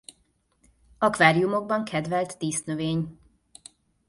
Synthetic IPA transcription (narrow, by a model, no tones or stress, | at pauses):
ɒkvaːɾijumo̞ɡ̚bɒŋkʰɛd̪vɛlt̪ːiːsnøveːɲ